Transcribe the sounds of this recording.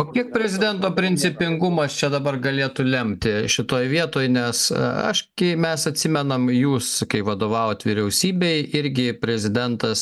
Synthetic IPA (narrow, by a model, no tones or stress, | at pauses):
oːkʲiɛk̚pʲɾʲɛzʲɪd̪ʲɛnt̪oːpʲɾʲɪnʲt͡ssʲɪpʲɪŋɡʊmɐst͡ʃʲɛd̪ɐbɐrɡɐlʲeːt̪ʊlʲɛmʲt̪ʲɪʃʲɪt̪oːjʋʲiɛt̪oːjnʲɛsɐ̰ʃɡʲɪmʲɛsɐt̪ʲsʲɪmʲɛnɐmjuːskɐɪʋɐd̪oːʋɑːʋoːt̪ʋʲɪɾʲɛʊsʲiːbʲɛɪɪɾʲɡʲɪpʲɾʲɛzʲɪd̪ʲɛnt̪ɐs